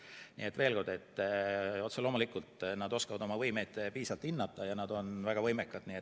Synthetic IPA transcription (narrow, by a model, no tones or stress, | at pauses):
nḭːet̪ːve̞ːlko̞rd̪e̞t̪ː | o̞t̪selo̞ːmulikːˑult̪nɑd̪̥o̞skɑvɑd̪o̞mɑvɤjme̞jd̪̥piːsɑlt̪ˑinːɑt̪ːˑɑjɑnɑd̪̥o̞nvæɡ̥ɑvɤjmekːˑɑd̪̥niet̪